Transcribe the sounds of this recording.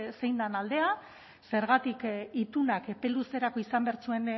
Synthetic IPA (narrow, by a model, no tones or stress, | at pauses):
se̞jnd̪anald̪e̞a | se̞ɾɣat̪ikit̪unakepe̞luse̞ɾako̞isambe̞aɾt͡sue̞n